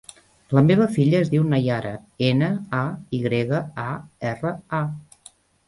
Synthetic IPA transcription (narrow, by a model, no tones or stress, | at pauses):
ləmeβ̞əfiʎəːzðiwnəjaɾə̰enəaiɣɾeɣəaɛrəa